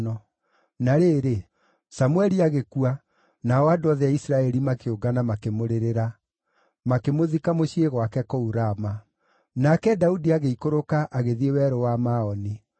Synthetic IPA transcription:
nɔ | naɾeːɾe | samuɛɾiaɣekua | naɔadoaðɛaisɾaɛɾimakeoɡanamakemoɾeɾeɾa | makemoðikamoɕieɣwakɛkɔuɾama | nakɛdaudiaɣeikoɾokaʔaɣeðiewɛɾowamaɔni

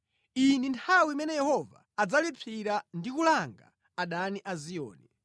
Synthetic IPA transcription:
inintʰawimɛnɛjɛhɔva̰ːd͡zalipʰiɾandikulaŋɡa̰ | aɗaniʔazijɔ̰ːnɛ

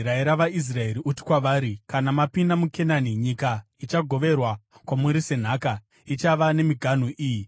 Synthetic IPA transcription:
ɾaeɾaʋais̬rae̞ɾiuti̥kwaʋaːɾikanamapindamukʰe̞naniɲika | it͡ʃaɡʱo̞ʋe̞rwakwamuɾise̞n̤aːka | it͡ʃaʋane̞miɡʱan̤uʔiːji

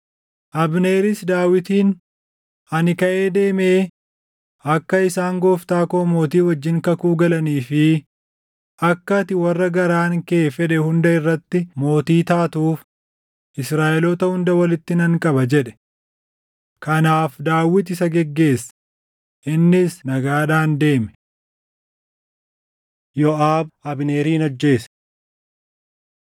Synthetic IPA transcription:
ʔɐbne̞ːɾɪsd̪aːwɪt̪iːn | ɐnɪkɐʔe̞ːd̪e̞ːmeː | ɐkːɐɪsaːŋɡoːft̪aːko̞ːmo̞ːt̪iːwɐd͡ʒːɪŋkɐkuːɡɐlɐniːfɪ | ʔɐkːɐt̪ɪwɐrːɐɡɐɾaːŋkeːfɛᶑɛhʊnd̪ɐɪrːɐt̪ːɪmo̞ːt̪iːt̪aːt̪uːf | ʔɪsɾaːʔɛlɔt̪ɐhʊnd̪ɐwɐlɪt̪ːɪnɐŋkʼɐbɐd͡ʒɛᶑɛ̥ | kɐnaːfd̪aːwːɪt̪ɪsɐɡɛɡːe̞ːsːɐ̥ | ʔɪnːɪsnɐɡaːᶑaːnd̪e̞ːmɛ̥ | jɔʔaːbɐbne̞ːɾiːnɔd͡ʒːe̞ːs

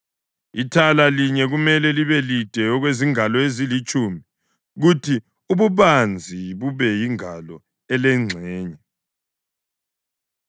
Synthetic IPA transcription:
itʰalaliɲɛɣumɛlɛliβɛlid̥ʱɛɔɣweziŋalɔezilit͡ʃʼumii | ɣutʰi | uβuβand͡zʱiβuβɛjiŋalɔ | ɛlɛŋ͡ǀʱɛːɲɛ

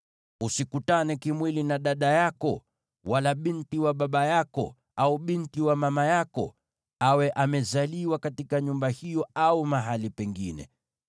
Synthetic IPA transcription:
usikutanɛkimwilinaɗaɗajakɔ | walaɓintiwaɓaɓajakɔ̰ | auɓintiwamamajakɔ̰ | awɛʔamɛzaliwakatikaɲumbahijɔaumaɦalipɛŋɡinɛ̰

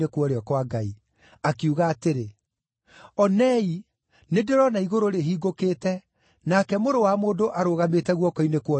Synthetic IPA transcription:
ekwɔɾeɔkwaɡai | akeuɣaːteɾe | ɔnɛi | nedeɾɔnaiɣoɾoɾeɦiːɡokeːtɛ | nakɛmoɾowamoːndoʔaɾoːɣametɛɣwɔkɔinekwɔ

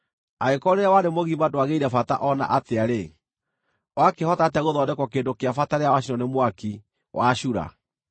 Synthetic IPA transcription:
aekɔɾeɾawanemoɣimadoaɣeiɾafata̰ʔɔna̰ʔateaɾe | wakehɔtateaɣoðɔːdɛkwɔkeːndokeafataɾeawaɕinɔnemwaki | wʔaɕuɾa̰

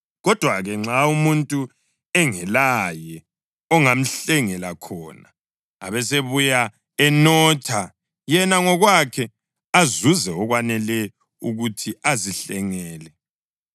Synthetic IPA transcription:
ɣɔd̥ʱwaɣɛŋ͡ǁaumuntʼu | ɛŋɛlajɛ | ɔŋam̩ɬɛŋɛlakʰɔna | a̰βɛseβuja | ɛnɔːtʰa | jɛnaŋɔɣwakʰɛ | azuzɛɔɣwanɛlɛ | uɣutʰiaziɬɛŋɛːlɛ

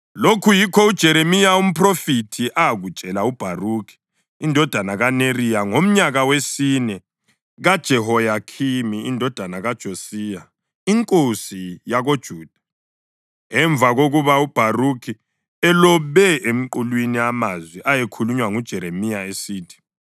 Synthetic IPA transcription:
lokʰujikʰɔud̥ʒ̥ʱɛɾemijaum̩pʰrofitʰiʔaɣut͡ʃʼɛlaub̥ʱarukʰi̥ː | ndʱɔd̥ʱanaɣanerijaŋom̩ɲaɣawesiːnɛ | ɣad̥ʒ̥ʱɛhɔjakʰimiindʱɔd̥ʱanaɣad̥ʒ̥ʱosija | iŋkʼosijaɣod̥ʒ̥ʱuːd̥ʱḁ | ɛɱvʱaɣoɣuβaub̥ʱarukʰi | ɛlɔβɛʔem̩ǃulwiniamazwiʔajekʰuluɲwaŋud̥ʒ̥ʱɛɾemijaesiːtʰi̥

